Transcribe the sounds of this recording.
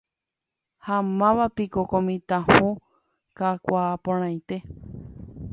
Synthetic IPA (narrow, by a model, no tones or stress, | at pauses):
hamãʋapikokõmĩt̪ãhũ | kakʷaːpõɾ̃ãj̃t̪e̞